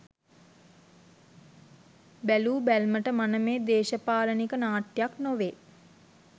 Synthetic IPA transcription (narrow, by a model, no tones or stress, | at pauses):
bæluːbælməʈəmanəmeːd̪eːʃəpaːlənikənaːʈjaknoʋeː